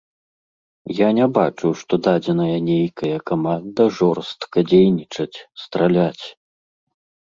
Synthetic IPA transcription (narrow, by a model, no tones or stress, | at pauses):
janʲɛbat͡ʂuwʂt̪ɔd̪ad͡zʲɛnɐjɐnʲejkɐjɐkamand̪ɐʐɔrst̪kɐd͡zʲejnʲit͡ʂɐt͡sʲst̪ɾalʲat͡sʲ